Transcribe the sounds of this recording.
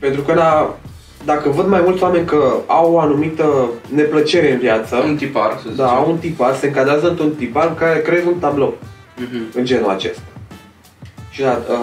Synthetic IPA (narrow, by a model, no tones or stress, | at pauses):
pe̞nt̪ɾukəla | d̪akəvəd̪majmult̪sʲoame̞nʲkəawoanumit̪əne̞plət͡ʃe̞ɾe̞ɨnvjat̪səunt̪ipardd̪aunt̪iparse̞ɨŋkad̪ɾeazəɨnt̪ɾunt̪ipaɾŋkaɾe̞kɾeezunt̪ablowm̩ɨnd͡ʒe̞nua̰t͡ʃe̞st̪ḁ | ʃid̪aə